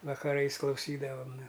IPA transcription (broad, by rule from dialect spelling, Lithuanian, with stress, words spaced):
ʋɐkɐˈrɐɪs klˠɐʊˈsʲiːdɐʋɐm nʊ